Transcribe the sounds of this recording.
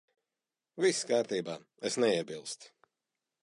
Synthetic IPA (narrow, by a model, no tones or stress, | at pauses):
viskaːɾt̪iːbaː | esnɛiɛbilˠst̪